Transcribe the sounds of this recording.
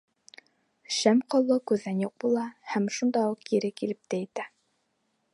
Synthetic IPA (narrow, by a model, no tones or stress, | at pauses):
ʃæmqɑlˠːɤkʉðænjuq̚bulˠɑhæmʃund̪ɑuqjiɾɘkilɘp̚t̪æjɘ̆t̪æ